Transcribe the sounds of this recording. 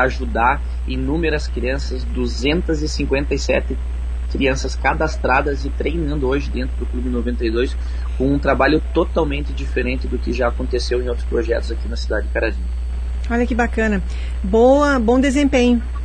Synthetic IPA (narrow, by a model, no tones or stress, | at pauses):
aʒud̪aɾ | inũmeɾɐskɾiɐ̃sɐzd̪uzẽnt̪ɐzɪsĩŋkwẽnt̪ɐjsɛ̰t̪ɪ | kɾiɐ̃sɐskad̪ast̪ɾad̪ɐzɪt̪ɾejnɐ̃nd̪ʊoʒɪd̪ẽnt̪ɾʊd̪ʊklubɪnovẽnt̪ejd̪ojs | kõũt̪ɾabaʎʊt̪ot̪awmẽnt̪ɪd͡ʒifeɾẽnt̪ɪd̪ʊkɪʒaːkõnt̪esewẽj̃owt̪ɾʊ̥spɾoʒɛ̰t̪ʊzakinɐsid̪ad͡ʒɪd͡ʒɪkaɾad͡ʒĩɐ | ɔʎɐkɪbakɐ̃nɐ | bowɐbõw̃d̪ezẽmpẽɲʊ